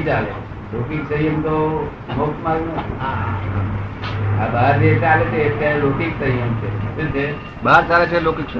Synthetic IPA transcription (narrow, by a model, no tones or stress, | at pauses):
t͡ʃalḛ | lokiksəiəmt̪o | mokt̪maɡnoa | a̰baːɾd͡ʒet͡ʃalet͡ʃʰeət̪jaɾelokiksəɦiəmt͡ʃʰḛset͡ʃʰe | baɾt͡ʃalet͡ʃʰelokiks